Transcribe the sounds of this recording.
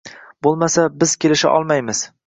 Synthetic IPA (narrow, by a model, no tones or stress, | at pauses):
b̥olˠmasabɪz̥kʲe̞lɪʃa̰ʔɒ̰lˠmajmɪz̥